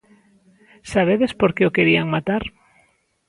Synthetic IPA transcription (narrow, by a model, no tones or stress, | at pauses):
saβ̞eðespoɾkeokeɾiaŋmat̪aɾ